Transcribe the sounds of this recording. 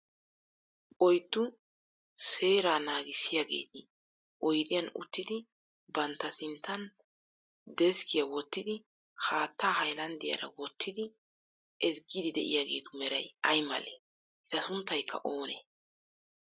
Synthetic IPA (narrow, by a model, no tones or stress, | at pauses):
pɔjt̪ːʊ | se̞ːɾaːnaːɡɪsːɪjaːɡe̞̰ːt̪ɪ | ʔɔjd̪ɪjɐnʊ̰t̪ːɪd̪ɪ | bɐnt̪ːɐsɪnt̪ːɐn | d̪ɛskʰɪjɐwɔt̪ːɪd̪ɪ | haːt̪ːaːhɐjlɐnd̪ɪjɐ̰ɾɐ̰wɔt̪ʰːɪd̪ɪ | ɛsɡɪd̪ɪd̪ɛ̰ʔɪ̰jaɡe̞ːt̪ʊmɛɾɐjɐjmɐ̰le | ʔɪzɐsʊnt̪ːɐjkʰːɐ̰ʔo̞ːnḛː